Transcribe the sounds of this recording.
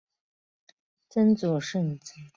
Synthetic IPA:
t͡sə˥nt͡sɔ˨˩ʂə˥˩nt͡s

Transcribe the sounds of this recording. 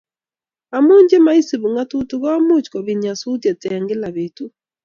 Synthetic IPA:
a˨mu˦ɲd͡ʒe˦ma˦i˦si˨βu˨ŋa˦tu˦tu˨˦ɣɔ˦mu˦t͡ʃkɔ˨βi˨ɲa˨su˦tjɛ˨tɛ˨ŋɡɪ˦la˨βe˨tu˦

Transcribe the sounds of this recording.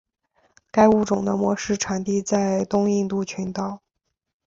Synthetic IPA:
ka˥ɪu˥˩ʈ͡ʂʊ˨˩ŋd̪ə˦mwɔ˧˥ʂɻ̩˥˩ʈ͡ʂʰa˨˩nt̪i˥˧t͡sa˥˩˧ɪt̪ʊ˥ŋi˥˧nt̪u˥˩t͡ɕʰy˧˥nt̪ɑ˥˩ʊ

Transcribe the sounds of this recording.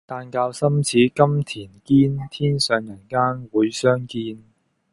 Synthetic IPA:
t̪aː˧nkaː˧wsɐ˥mt͡sʰiː˨˥kɐ˥mt̪ʰiː˨˩nkiː˥nt̪ʰiː˥nsœː˨˧ŋjɐ˨˩nkaː˥nwuː˨˧jsœː˥ŋkiː˧n

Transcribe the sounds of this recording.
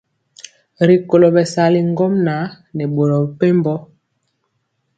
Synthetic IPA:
ɾi˨ko˨lo˨bɛ˨sa˨li˨ŋ˦ɡo˦mna˨˦ | nɛ˨ɓo˨ɾɔ˨bpe˦mbɔ˦

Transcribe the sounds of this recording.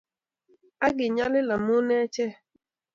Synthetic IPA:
a˦ɡɪ˨ɲa˦lɪ˦la˨mʊ˦ne˦t͡ʃɛ˦˨

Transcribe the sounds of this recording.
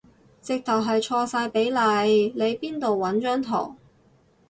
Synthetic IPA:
t͡sɪ˨k̚t̪ʰɐ˨˩wɦɐ˨jt͡ʃʰɔː˧saː˧jpe˨˥jlɐ˨˧jle˨˧jpiː˥nt̪o˨wwɐ˨˥nt͡ʃœː˥ŋt̪ʰɔ̰ː˨˩ŋ

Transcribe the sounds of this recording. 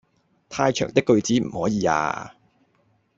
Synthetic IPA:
t̪ʰaː˧jt͡ʃʰœː˨˩ŋt̪ɪ˥kːɵ˧ɥt͡siː˨˥m̩˨˩hɔː˨˥jiː˨˧a̰ː˧

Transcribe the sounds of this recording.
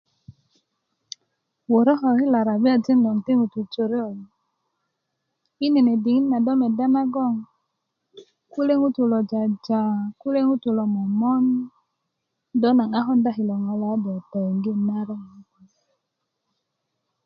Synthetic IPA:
wo˨ɾɔ˦ɦɔ˨hi˦la˨ɾa˨bi˦a˨d͡ʒi˦ndo˨ŋte˦ŋu˨tu˨t͡ʃo˨ɾe˦˨j | i˦ne˨ne˨di˨ŋi˦nnːa˨dɔ˦me˨da˦na˦ɡɔ˦˨ŋ | ku˦le˦ŋu˦tu˨lɔ˨d͡ʒa˨d͡ʒa˨ku˦le˦ŋu˦tu˨lɔ˨mɔ˨mɔ˦n | dɔ˦na˨ŋa˦ɦɔ˦nda˦ɦi˨lɔ˨ŋa˨la˨˦dɔ˨ta˨ŋɡi˦na˦ɾɔ˦ŋ˨˦ku˨

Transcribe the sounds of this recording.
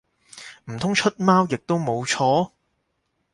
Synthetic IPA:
m̩˨˩t̪ʰʊ˥ŋt͡ʃʰɵ˥t̚maː˥wjɪ˨k̚t̪o˥wmo˨˧wt͡ʃʰɔː˥

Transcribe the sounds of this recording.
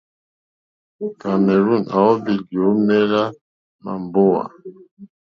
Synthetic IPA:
ka˨mɛ˨ɾu˦˨na˨wɔ˦bi˨ɡjo˨˦mɛ˦la˦ | ma̰˨m˨bo˦wa̰˨

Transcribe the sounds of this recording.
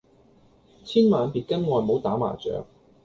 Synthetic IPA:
t͡sʰiː˥nmaː˨˧npiː˨t̚kɐ˥nŋɔː˨˧jmo˨˧wt̪aː˨˥ma̰ː˨˩t͡sœ̰ː˨˧ŋ̚

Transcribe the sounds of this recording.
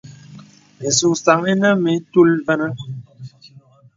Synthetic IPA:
e˨su˨ŋsa˨ŋe˦na˦me˨˦tu˦lvə˦na˦

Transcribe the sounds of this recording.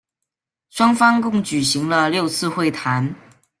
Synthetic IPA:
ʂwɑ˥ŋfɑ˥ŋkʊ˥˩ŋt͡ɕy˨˩ɕi˧˥ŋlə˧ljo˥˧ʊt͡sʰɹ̩˥˧xwe˥˩ɪt̪ʰa˧˦˥n

